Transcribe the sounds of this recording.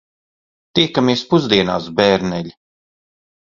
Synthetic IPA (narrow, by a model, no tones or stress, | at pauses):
t̪iɛkamiɛspuzd̪iɛna̰ːsbɛːɾnɛlʲi